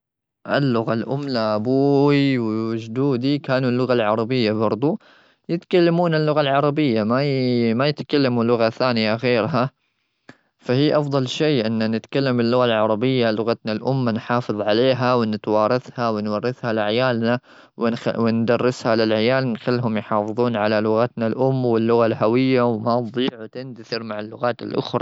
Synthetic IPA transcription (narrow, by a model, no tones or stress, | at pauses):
ʔɪ̰lːʊɣalʔʊmːnaʔabuːwiwd͡ʒd̪uːd̪ikaːnulːʊɣalʕɑɾˤɑbɪjːabɑɾˤd̪ˤu | jɪt̪kalːamuːnalːʊɣalʕɑɾˤɑbɪjːamamajɪt̪kalːamulːʊɣaθaːnɪjaɣeːɾɦa | fahiːʔɑfd̪ˤɑlʃiːʔɪnːanɪt̪kalːambɪlːʊɣalʕɑɾˤɑbɪjːalʊɣat̪nalʔʊmːanħɑːfɨðˤʕaleːɦawɪnɪt̪wɑːɾˤɑθhawɪnwɑrːɪθhalɪʕajaːlna | wwɪnd̪ɑrˤːɪshalɪlʕajaːlnxɪlːɦʊmjħɑːfɨðˤuːnʕalalʊɣat̪nalʔʊmːwɪlːʊɣalɦawɪjːawmɑd̪ˤiːʕwt̪ɪnt̪aθɪɾmaʕalːʊɣaːt̪ɪ̰lʔʊ̰xɾˤɑ̰